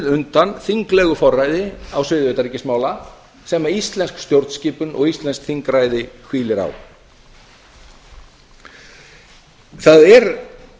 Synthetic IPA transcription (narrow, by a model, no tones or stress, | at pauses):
ðʏnt̪anθiŋklɛɣʏfɔrːajðɪawsvɪːðvœt̪aɾiːcɪsmaːwla | sɛmaist̪lɛnskst̪jowɾt̪sciːpʏnʔɔ̰ɣist̪lɛnskθiŋkɾaːjðɪhviːlɪɾa̰w | θaðɛɾ